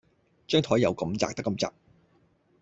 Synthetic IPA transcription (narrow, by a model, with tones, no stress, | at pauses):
t͡ʃœː˥ŋt̪ʰɔː˨˥jːɐ˨˧wkɐ˨˥mt͡sa̰ː˧k̚t̪ɐ˥kːɐ˧mt͡sa̰ː˨˩k̚